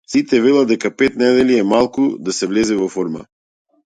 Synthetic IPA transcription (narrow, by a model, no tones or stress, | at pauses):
sit̪ɛvɛlˠad̪ːɛkapɛt̪nɛd̪ɛliɛmalˠkud̪asɛvlɛzɛvɔfɔɾma̰